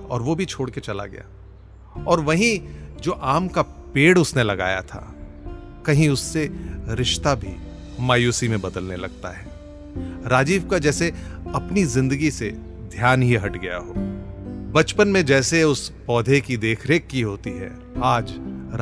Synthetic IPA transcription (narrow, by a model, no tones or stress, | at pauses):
ɔ̰ːɾʋobʱit͡ʃʰoːɽket͡ʃɐla̰ɡɐ̰ja̰ː | ɔːɾʋɐɦĩd͡ʒoːʔaːmkapeːɽʊsnelɐɡa̰ːja̰t̪ʰa̰ː | kɐɦĩʊsːeɾɪʃt̪abʱḭ | maːjuːsimẽbɐd̪əlnelɐɡ̚t̪a̰ɦɛː | ɾaːd͡ʒiːʋkad͡ʒɛːseɐpnizɪ̃nd̪əɡise | d̪ʱjaːnɦiɦɐʈɡɐja̰ɦoː | bɐt͡ʃpənmẽd͡ʒɛːseʊspɔːd̪ʱekid̪eːkʰɾeːkːiɦoːt̪iɦɛ̰ | aːd͡ʒ